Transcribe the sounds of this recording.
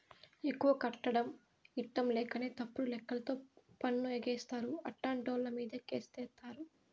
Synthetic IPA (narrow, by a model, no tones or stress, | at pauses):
e̞kːuʋɐkɐʈːɐɽɐm | iʈːɐmlɛːkɐne̞ːt̪ɐpːuɽulɛkːɐlɐt̪o̞ːpɐnːueɡɛːst̪aːɾuɐʈːaːɳʈoːllɐmiːd̪ɐkḛːst̪ɛːt̪aːɾu